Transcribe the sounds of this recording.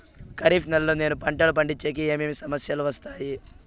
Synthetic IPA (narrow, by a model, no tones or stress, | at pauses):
kɐɾiːfnɐlːune̞ːnupɐɳʈɐlup̬ɐɳɖit͡ʃːeːk̬ieːmeːmisɐmɐsjɐluʋɐst̪aːji